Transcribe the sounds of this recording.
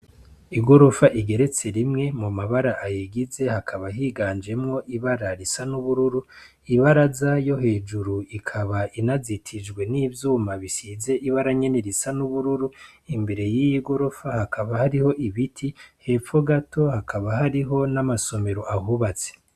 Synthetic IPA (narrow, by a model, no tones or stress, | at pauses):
iɡo̞ɾofaʔiɡe̞ɾe̞t͡se̞ɾimŋe̞mumaβaɾaʔajiɡize̞hakʰaβaɦiɡaːnd͡ʒe̞mŋo̞ʔiβaɾaɾisanuβuɾuɾu | iβaɾazajo̞he̞ːd͡ʒuɾuikʰaβainazitʰid͡ʒɡwe̞niːvjuːmaβisiːze̞ʔiβaɾaɲe̞neɾisanuβuɾuɾuimbe̞ɾe̞jijiɡo̞ɾofahakʰaβahaɾiho̞ʔiβitʰihe̞ːpfo̞ɡatʰo̞hakʰaβaɦaɾiɦo̞namaso̞me̞ɾo̞ʔaɦuβat͡se̥